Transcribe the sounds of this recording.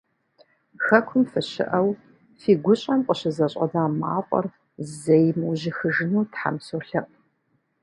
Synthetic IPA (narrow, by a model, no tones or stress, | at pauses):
xɐkʷʰʊmfɨɕɪ̰ʔɐw | fiːɡʷʊɕʼɐmqʷʼəɕɪzɐɕʼɐ̰daːmaːqʷʼɔ̰r | zejmuʑɪxɨʒɪnuːtħa̰msoɬɐq